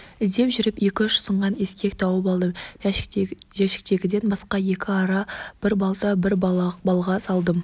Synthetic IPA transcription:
ɪzd̪e̞mʒʏɾɪpje̞kʲɪʏʃsəɴʁɑne̞skʲe̞k̚t̪ʰɑwəpɑlˠd̪əm | ʒæʃɪ̥k̚t̪e̞ɡʲɪd̪e̞nbɑsqɑje̞kʲɪɑɾɑb̥ɪɾbɑlˠt̪ɑbɪɾbɑlˠʁɑsɑlˠd̪əm

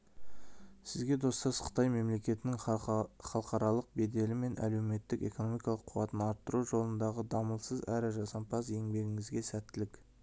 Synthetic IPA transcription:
sɪzɡʲe̞d̪o̞st̪ɑsqʰə̥t̪ɑjme̞mle̞kʲe̞t̪ɪnɪŋχɑlˠqɑɾɑlˠəq̚be̞d̪e̞lɪme̞nʔæ̰le̞wme̞t̪ːɪke̞̰kono̞mijkɑlˠəqʰːuɑt̪ənɑɾt̪ːəɾuʒo̞lˠənd̪ɑʁəd̪ɑməlˠsəzæɾɪʒɑsɑmpʰɑs̬e̞ŋbe̞ɡʲɪŋɪzɡʲe̞sæt̪ːɪlɪk

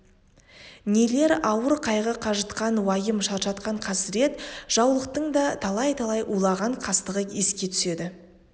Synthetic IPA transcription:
nele̞ɾɑwəɾqʰɑjʁəqʰɑʒət̪qɑnwɑjəmʃɑɾʒɑt̪qɑɴqʰɑsɾe̞t̪ʒ̥ɑwlˠəq̚t̪əɴd̪ɑt̪ʰɑlˠɑjt̪ʰɑlˠɑjʔulˠɑʁɑɴqʰɑst̪əʁəje̞skʲe̞t̪ʰʏ̥se̞d̪ɪ

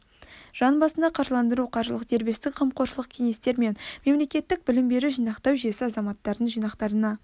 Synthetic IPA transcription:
ʒ̥ɑnbɑsənd̪ɑqʰɑɾʒlˠɑnd̪əɾuqʰɑɾʒəlˠəqd̪e̞ɾbe̞st̪ɪkqʰəmqo̞ɾʃəlˠəq̚kʲʰe̞ŋe̞st̪e̞ɾme̞nme̞mle̞kʲe̞t̪ːɪk̚bɪlɪmbe̞ɾuʒijnɑqt̪ɑwʒijesɪɑzɑmɑt̪ːɑɾd̪əɴʒijnɑqt̪ɑɾənɑ

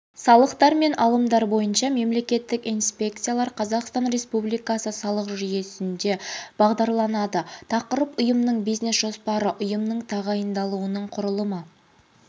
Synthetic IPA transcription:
sɑlˠəqt̪ɑɾme̞nɑlˠəmd̪ɑɾbo̞jənʃɑme̞mle̞kʲe̞t̪ːɪkinspʲe̞k̚t̪sɨjalˠɑɾqʰɑzɑqst̪ɑnɾe̞spublˠijkɑsəsɑlˠəqʒʏje̞sɪnd̪e̞b̥ɑʁd̪ɑɾlˠɑnɑd̪ət̪ʰɑqəɾəpʊjəmnəɴbijzne̞sʒo̞spɑɾəʔʊjəmnəɴt̪ʰɑʁɑjənd̪ɑlˠuwənəɴqʰʊɾəlˠəmə

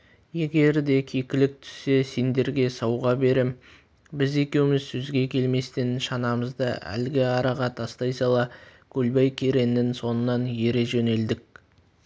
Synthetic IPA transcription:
je̞ɡʲe̞ɾd̪e̞kʲʰekʲɪlɪk̚t̪ʰʏ̥sːe̞se̞nd̪e̞ɾɡʲe̞sɑwʁɑbe̞ɾem | bɪze̞kʲe̞wɪmɪzsʰɵzɡʲe̞kʲʰe̞lme̞st̪enʃɑnɑməzd̪ə̰æ̰lɪɡʲɪɑɾɑʁɑt̪ʰɑst̪ɑjsɑlˠɑkʲʰɵlbɑjkʲʰe̞ɾe̞nːɪnso̞nənːɑnje̞ɾe̞ʒɵne̞ld̪ɪk̚

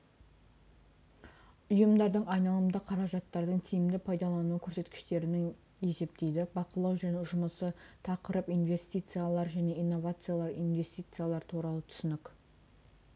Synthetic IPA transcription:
ʊjəmd̪ɑɾd̪əɴɑjnɑlˠəmd̪ɑqʰɑɾɑʒɑt̪ːɑɾd̪əɴt̪ʰijɪmd̪ɪpʰɑjd̪ɑlˠɑnuəkʲʰɵɾse̞t̪kʲɪ̥ʃt̪e̞ɾɪnɪŋ | e̞se̞p̚t̪e̞jd̪ɪbɑqəlˠɑwʒæne̞ʒʊməsət̪ʰɑqəɾəpinvʲe̞st̪ijt̪sɨjalˠɑɾʒæne̞ijnːo̞vat̪sɨjalˠɑɾijnvʲe̞st̪ijt̪sɨjalˠɑɾt̪ʰuɾɑlˠət̪ʰʏ̥sɪnɪk

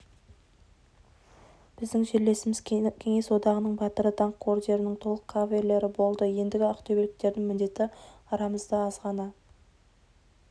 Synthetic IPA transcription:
b̥ɪzd̪ɪŋʒeɾle̞sɪmɪzkʲʰe̞ŋe̞swo̞d̪ɑʁənəɴbɑt̪əɾət̪ʰɑɴqʰːo̞ɾʒe̞ɾɪnɪŋt̪ʰo̞lˠəqʰːɑvele̞ɾɪbo̞lˠd̪əje̞nd̪ɪɡʲɪɑqt̪ʰobelɪk̚t̪e̞ɾd̪ɪŋmɪnd̪e̞t̪ɪɑɾɑməzd̪əɑzʁɑnɑ

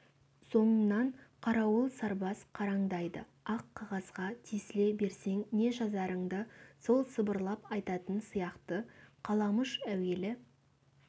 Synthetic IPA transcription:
so̞ɴənɑɴqʰɑɾɑwəlˠsɑɾbɑsqʰɑɾɑɴd̪ɑjd̪ə̰ | ɑqʰːɑʁɑzʁɑt̪ʰijsɪle̞be̞ɾse̞ŋne̞ʒɑzɑɾəɴd̪əso̞lˠsəbəɾlˠɑpɑjt̪ɑt̪ənsijɑqt̪əqʰɑlˠɑməʃæwe̞lɪ

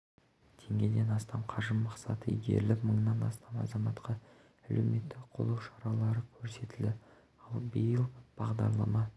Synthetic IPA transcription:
t̪ʰe̞ŋɡʲe̞d̪e̞nɑst̪ɑmqʰɑʒəmːɑqsɑ̰t̪əiɡʲe̞̰ɾɪlɪpməɴnɑnɑ̰st̪ɑmɑ̰zɑmɑt̪qʰɑ | ælʔewme̞t̪ːɪkqʰolˠɑwʃɑɾɑlˠɑɾəkʲʰɵɾse̞t̪ɪld̪ɪ | ɑlˠbəjəlˠb̥ɑʁd̪ɑ̰ɾlˠɑ̰mɑ

